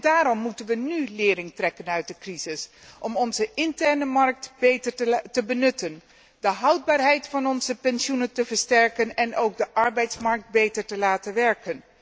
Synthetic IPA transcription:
daːɾɔmːutənʋənylɪːɾɪŋtrɛkənœɥt̚dəkrizɪsʔɔmɔnzəʔɪntɛɹnəmɑɹk̚tbetəɹtəbənɵtən | dəɦɑwd̚baːɹɦɛjtfɑnɔnzəpɛnʃunəntəvəɹstɛɹkənɛnowɡ̚dəʔɑɹbɛjtsmɑɹk̚t̚bejtəɹtəlaːtənʋɛɹkən

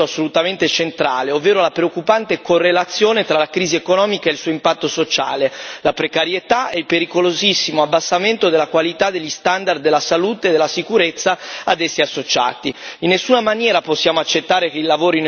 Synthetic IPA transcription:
oasːolut̪ament̪et͡ʃent̪ɾaːleovːeːɾolapɾeokːupant̪ekorːelat̪sːjoːnet̪ɾalakɾiːziekonɔːmikaelsuːoimpat̪ːosot͡ʃa̰ːlelapɾekaɾjet̪aɛilpeɾikolozisːimoabːasːament̪od̪elːakwalit̪ad̪elʎːist̪and̪ard̪ːelːasaluːt̪eːd̪elːasikuɾet̪sːaad̪ɛsːiasːot͡ʃa̰ːt̪iinːesːuːnamanjɛːɾaposːjaːmoat͡ʃːet̪ːaːɾekeilavoːɾin

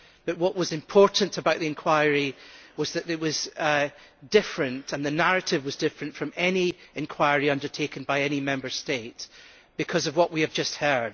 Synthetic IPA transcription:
b̥ʌʔwʌʔwʌzɪ̃mpʰɔɹʔn̩təbaʊʔðiɨ̃nkʰw̥aɪəɹiwʌzðɨʔɪʔwʌz | dɪfɹɨ̃ntə̃nðɨnaɹɨʔɪvwʌzdɪfɹɨ̃nfɹʌ̃mɛniɪ̃nkʰw̥aɪəɹiʌ̃ndə˞tʰekɨ̃nbaɪɛñimɛ̃mbə˞stets | b̥ɨkʰʌzʌvwʌʔwiɨvd͡ʒʌst̚hɜ˞d̥̚

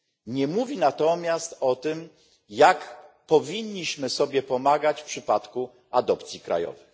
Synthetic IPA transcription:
ɲɛmuvʲinat̪ɔmʲjast̪ɔt̪ɘm | jakpɔvʲiɲːiɕmɘsɔbʲjɛpɔmaɡat͡ɕfpʂɘpat̪ku | ad̪ɔpt̪sʲjikɾa̰jɔ̰vɘx

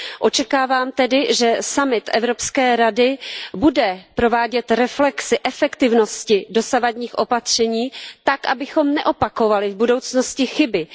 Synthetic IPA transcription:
ʔo̞t͡ʃɛkaːvaːmt̪ɛdɪʒɛsamɪt̪ʔɛ̰vɾo̞pskɛːɾadɪbudɛpɾo̞vaːɟɛt̪ɾɛflɛksɪʔɛfɛkt̪ɪvno̞scɪdo̞savadɲiːxʔo̞pat̪r̝̥ɛɲiːt̪akʔabɪxo̞mnɛʔo̞pako̞valɪvbudo̞wt͡sno̞scɪxɪbɪ

